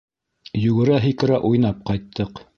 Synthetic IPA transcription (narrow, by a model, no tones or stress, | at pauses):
jɵɡɘ̆ɾæɦikɘ̆ɾæʔujnɑp̚qɑjt̪ʰːɤq